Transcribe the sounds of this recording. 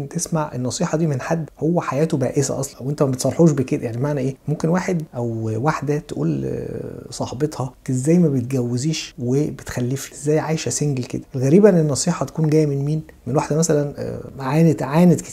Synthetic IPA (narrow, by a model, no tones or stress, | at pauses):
nt̪esmaʕʔḛnːɑsˤiːħɑd̪iːmenħad̪ːhowːæħajæːt̪obæ̰ːʔesæ̰ʔɑ̰sˤlɑwʔent̪æmæbet̪sˤɑɾˤħuːʃ̬beked̪æjaʕnibemaʕnæʔeːmomkenwaːħed̪ʔæwwaħd̪æt̪eʔṵːl | sˤɑħbet̪ˤhɑezːæːjːmæbet̪̚ɡæwːeziːʃwebet̪xælːefi̥ʔezːæːjːʕaːjʃæseŋɡlkḛd̪æʔelɣæɾiːbæʔnenːɑsˤiːħɑt̪æ̥kuːnɡ̪æːjːmenmiːnmenwaħd̪æmæsælæn̰ʕaːnet̪ʕaːnet̪ke̥